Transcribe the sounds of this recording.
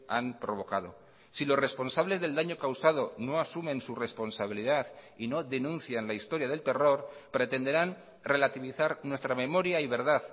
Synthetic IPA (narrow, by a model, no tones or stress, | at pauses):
ampɾo̞β̞o̞kaðo | silo̞sre̞spo̞nsaβle̞zðe̞ld̪aɲo̞kawsaðo̞no̞asumẽ̞nsure̞spo̞nsaβ̞iliðaðino̞ðe̞nũnθjanlaist̪o̞ɾjað̞e̞lt̪e̞ro̞ɾpɾe̞t̪e̞nd̪e̞ɾan | re̞lat̪iβiθaɾnwe̞st̪ɾamẽ̞mo̞ɾjaiβe̞ɾðað